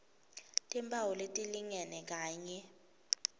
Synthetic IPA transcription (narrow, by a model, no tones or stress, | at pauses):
tʼimbʰʱʼawɔletʼiliŋɛnɛk̬aːɲɛ